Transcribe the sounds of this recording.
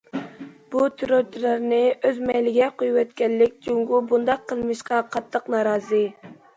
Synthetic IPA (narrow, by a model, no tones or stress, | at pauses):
b̥ut̪ʰɨɾot̪ʰɾɨɾnɨʔøzmɛjlɪɡʲɛqojuwɛt̪kʲɛnːɪk̚ʲd͡ʒuŋɡubund̪ɑqʰːəlˠmɨʃqɑqʰɑt̪ʰːəqnɑɾɑːzɨ